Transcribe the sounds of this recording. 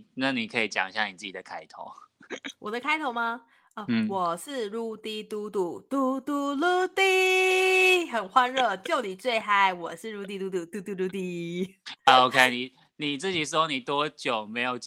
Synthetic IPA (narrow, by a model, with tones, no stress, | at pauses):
na˥˩ni˨˩kʰɤ˧˦˥i˨t͡ɕjɑ̰˨˩ŋɕja˥˩ni˨˩t͡sɹ̩˥˩t͡ɕi˨d̪ə˩kʰa˥ɪt̪ʰo̰˨˦ʊwʔɔ˨˩d̪ə˦kʰa˥ɪt̪ʰo˧˥˦ma˧ | ə˥˧˩wɔ˨˩ʂɻ̩˥˧ɻu˥˧t̪i˥t̪u˥t̪u˨˩t̪u˥t̪u˥lu˥t̪i˥˧ | xə˨˩nxwa˦nɻɤ˥˩t͡ɕjo˥˩ʊni˨˩t͡swe˥˧ɪxa˥ɪwɔ˨˩ʂɻ̩˥˧ɻu˥˧t̪̬i˥˧t̪u˥t̪u˨˩t̪u˥˩t̪u˥˧˩lu˥˧t̪i˥˧ | ə˧o˧˥ʊkʰe˥ɪni˨˩ | ni˨˩t͡sɹ̩˥˩t͡ɕi˨˩ʂ̬ɻ̩˥ho˥˩ni˨˩t̪wɔ˦˥t͡ɕjo˨˩ʊme˧˥ɪjo˨˩ʊ